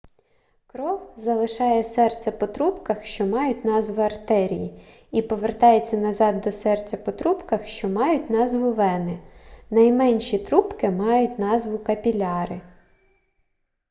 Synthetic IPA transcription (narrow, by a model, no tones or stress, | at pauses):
kɾɔwzɐlˠɪʃɑjɛsɛrt͡sʲɐpɔt̪ɾupkɐxʃt͡ʃɔmɑjʊtʲn̪ɑzʋʊɐrt̪ɛɾʲḭji | ipɔʋert̪ɑjet͡sʲːɐnɐzɑd̪ːɔsɛrt͡sʲɐpɔt̪ɾupkɐxʃt͡ʃɔmɑjʊtʲnɑzʋʊʋɛnɪnɐjmɛnʲʃit̪ɾupkɪmɑjʊtʲn̪ɑzʋʊkɐpʲilʲɑɾɪ